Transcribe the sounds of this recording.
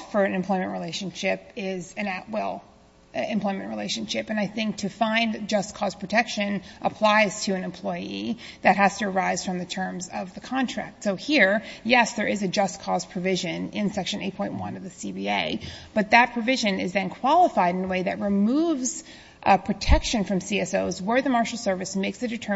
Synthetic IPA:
fə˞ɨ̃nɨ̃mpʰl̥ɔɪmɨ̃nʔɹileɪʃɨ̃n̩ʃɪp̚ɪzɨ̃naʊʔ̚wɛlˠ | ɨ̃mpʰl̥ɔɪmɨ̃nʔɹileɪʃɨ̃n̩ʃɪpɨ̃naɪθɪ̃ŋk̚tʰɨfãɪ̃nd͡ʒʌskʰɔz̥pʰɹ̥ɨtʰɛkʃɨ̃nʔəpʰl̥aɪz̥tʰɨɨ̃nɨ̃mpʰl̥ɔɪiðɨt̚hæz̥tɨː˞aɪz̥fɹʌ̃mðɨtʰɜ̃˞mzʌvðɨkʰɑ̃ntʰɹ̥æ̰k̚tsoʊhiɹjɛsðə˞ɪzɨd͡ʒʌskʰɔz̥pʰɹ̥ɨvɪʒɨ̃nɪ̃nsɛkʃɨ̃neɪt̚pʰɔ̃ɪ̃nʔ̚wʌ̰̃nʌvðɨsibieɪb̥ʌt̪̚ðɨt̚pʰɹ̥ɨvɪʒɨ̃nɪzðɨ̃nkʰw̥ɑlˠəfaɪɾɨ̃nəweɪðɨt̚ɹɨmuvz̥ | pʰɹ̥ɨtʰɛkʃɨ̃nfɹʌ̃msiɛsoʊzwə˞ðɨmɑɹʃl̩ˠsɜ˞vɨsmeɪksɨdɨtʰɜ˞

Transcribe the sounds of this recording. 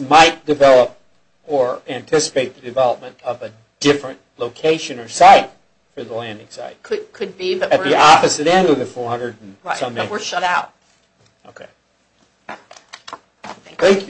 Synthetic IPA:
maɪt̚d̥ɨvɛlˠəp̚ | ə˞æ̃ntʰɪsə̥peɪt̪̚ðɨdɨvɛlˠəp̚mɨ̃ntʌvɨ | d̥ɪfɹɨ̃nʔloʊkʰeɪʃɨ̃nə˞saɪt̚ | fə˞ðəlæ̃ndɪ̃ŋsa̰ɪt̚kʰɨd̚kʰɨd̚bibʌt̚ɨt̚ðiɔpɨsɨɾɛ̃ndʌvðɨfɔɹhʌ̃ndɨdn̩sʌ̃mwə˞ʃʌɾaʊt̚ | oʊkʰeɪ | θæ̃ŋkʰj

